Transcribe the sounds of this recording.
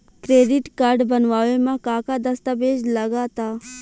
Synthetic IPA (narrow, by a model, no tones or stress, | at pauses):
kɾeːɖɪʈkaɾɖbənʋaːʋemãkãːkad̪ɐst̪abeːd͡ʒləɡaːt̪aː